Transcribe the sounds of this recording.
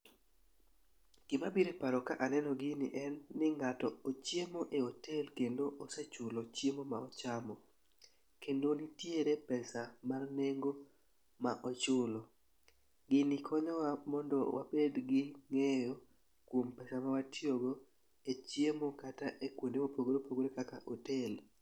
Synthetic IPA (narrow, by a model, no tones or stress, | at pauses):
ɡ̥ɪmabiɾepaɾɔkaʔanɛnɔɡɪnɪ̰ʔɛnːɪŋatɔot͡ʃjemoʔeotʰelkendoʔoset͡ʃʊlot͡ʃjemomaɔt͡ʃamɔ | kendonɪtjeɾepɛsamarneŋɡo | maʔɔt͡ʃʊlɔ | ɡɪnɪkʰɔɲɔwamɔndɔ̰wa̰bedɡɪŋejo | kwompɛsamawatʰjoɡo | et͡ʃjemokataʔekwondemopoɡoɾopoɡoɾekaka̰ʔotel